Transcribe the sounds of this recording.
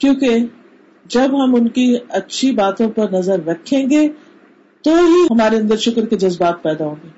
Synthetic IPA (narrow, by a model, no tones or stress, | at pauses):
kjõːke | d͡ʒɐbɦɐmʊnkiɐtːʃʰibaːt̪õpɐɾnɐzəɾːɐkʰːẽːŋɡe | t̪oɦiɦɐmaːɾeɐ̃nd̪əɾʃʊkəɾked͡ʒɐzbaːt̪̚pɛːd̪aɦõːŋɡeː